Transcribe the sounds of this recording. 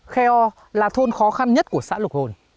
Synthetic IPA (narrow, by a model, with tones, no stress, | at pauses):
xɛ˧ʔɔ˧ | laː˨˩t̪ʰo˧nxɔ˨˦xa˧nɲə˦˥t̚ku˧˩əsa̰ː˧˥lwk̚ho˨˩n